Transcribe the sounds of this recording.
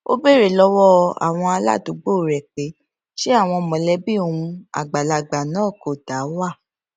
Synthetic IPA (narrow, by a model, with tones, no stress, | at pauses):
o̰˦be˦˨ɾe˦˨lɔ˦wɔ˦a̰˨w̃ɔ̃˧a˧la̰˦˨do˨˦ɡ͡bo˦˨ɾɛ˨k͡pe˨˦ | ʃe˦a˦˨w̃ɔ̃˧mɔ̃˨lɛ˦bi˦o˨ũ˧a̰˨ɡ͡ba˨la˨ɡ͡ba˨nãː˨˦˨ko˨da˨˦wa˦˨